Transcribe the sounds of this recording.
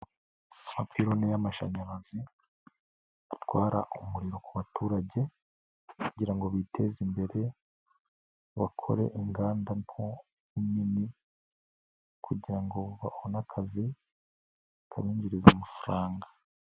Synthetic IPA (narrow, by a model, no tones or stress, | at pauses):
amapiɾo̞nejamaʃa̰ɲaɾazi | atwaːɾa̰ʔumuɾiɾo̞kuβatuːɾaɟe̞ | kuɟiɾaŋɡo̞βitʰe̞zimbe̞ɾe̞ | βakʰo̞̰ɾe̞̰ʔiŋɡaːndanho | imini | kʰuɟiɾaŋɡo̞βahonakʰazi | ka̰βiːɲɟiɾizamafuɾaːŋɡḁ